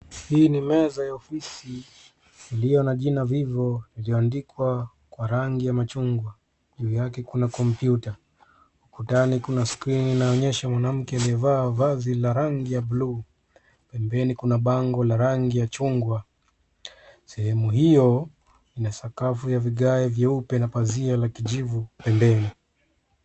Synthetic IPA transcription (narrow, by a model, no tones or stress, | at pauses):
hiːnimɛzajaɔfisiː | lijɔnaʄinavivɔliliɔandikwa | kwaɾaŋɡijamat͡ʃuŋɡwa | ʄuːjakɛkunakɔmpjuta | ukutanikunaskɾininaɔɲɛʃamwanam̩kɛaliɔvaːvazilaɾaŋɡijablu | pɛmbɛnikunaɓaŋɡɔlaɾaŋɡijat͡ʃuŋɡwa | sɛhɛmuɦijɔ | inasakafujaviɠaɛvjaupɛnapazialakiʄivupɛmbɛni